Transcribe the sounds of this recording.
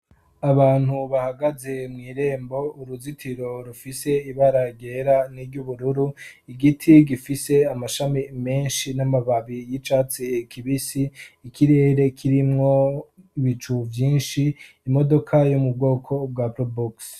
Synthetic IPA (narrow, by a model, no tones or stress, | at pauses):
aβaːn̥huβahaɡaze̞mŋiːɾe̞ːmbo̞uɾuzitʰiɾo̞ɾufise̞iβaɾaɟe̞ɾaniɾɟuβuɾuɾuiɡitʰiɡifise̞amaʃamime̞ːnʃinamaβaβijit͡ʃaːt͡sikʰiβisiːkʰiɾe̞ːɾe̞kʰiɾimŋo̞iβit͡ʃuvjiːnʃiː | mo̞do̞kʰajomubɡo̞ːkʰo̞b̚ɡwaːpɾobuks